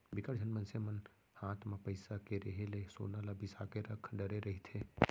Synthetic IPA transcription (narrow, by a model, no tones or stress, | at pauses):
bɪkəɾd͡ʒʱənmənsemɐn | haːt̪ʰmẽpəɪsakeɾeɦeleso̰ːnalabʱisaːkeɾɐkʰɖəɾeɾɐɦit̪ʰeː